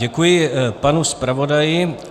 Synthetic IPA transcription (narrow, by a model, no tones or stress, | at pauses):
ɛkujɪpanuspɾavo̞dajɪ